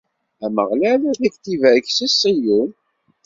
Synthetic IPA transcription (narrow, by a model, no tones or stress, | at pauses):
æmə̰ʁlælæðækt̪ivæçsisijun